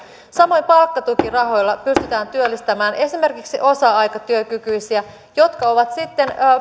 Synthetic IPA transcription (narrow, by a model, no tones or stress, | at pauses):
sɑmo̞jmpɑlkːɑt̪ukirɑɦo̞jlːɑpyst̪yt̪æːnt̪yølːist̪æmæːne̞sime̞rkiksiʔo̞sɑɑjkɑt̪yøkykyisiæ | jo̞t̪kɑo̞ʋɑt̪sit̪ːe̞nː